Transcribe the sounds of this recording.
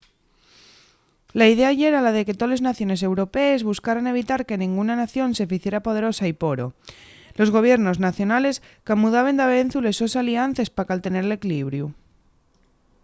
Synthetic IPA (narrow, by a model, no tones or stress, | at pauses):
laið̞eaʝe̞ɾalaðe̞ke̞t̪ole̞znaθjo̞ne̞s̬e̞wɾo̞peːzβuskaɾane̞β̞it̪aɾke̞nĩŋɡunanaθjo̞nse̞fiθje̞ɾapo̞ð̞e̞ɾo̞saipo̞ɾo̞̰ | lo̞zɣ̞o̞β̞je̞ɾno̞znaθjo̞nale̞s | kamuðaβ̞e̞nd̪aβe̞n̟θulesosalian̟θe̞spakalt̪e̞ne̞ɾele̞kliβ̞ɾju